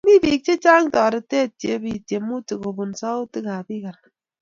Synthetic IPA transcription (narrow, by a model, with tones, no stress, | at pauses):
mi˦bi˨k̚t͡ʃi˦t͡ʃaː˦ŋ˦tɔ˨ɾe˨te˦˨tje˨˦bi˦˨te˨mː˦u˦tɨ˨ɣo˨bu˨n˨sa˦u˦tɨ˦ɣa˨bi˦ɣa˨n˨